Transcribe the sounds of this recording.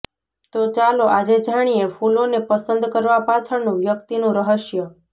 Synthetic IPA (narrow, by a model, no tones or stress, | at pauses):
t̪ot͡ʃaloʔad͡ʒed͡ʒʱaɽ̃ijefʰulonepəsənd̪kəɾʋapat͡ʃʰəɽnũʋjəkt̪inũɾəɦəʃjə